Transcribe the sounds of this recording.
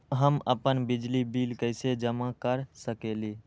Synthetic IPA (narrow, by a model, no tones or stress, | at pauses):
ɦəmə̰pənbɪd͡ʒlibiːlkəɪsed͡ʒəmakəɾsəkeliː